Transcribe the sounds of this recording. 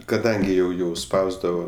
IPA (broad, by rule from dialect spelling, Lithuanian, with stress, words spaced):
kɐˈdɐŋʲɡʲɪ jɛʊ jɛʊ ˈspɐʊzdɐʋoː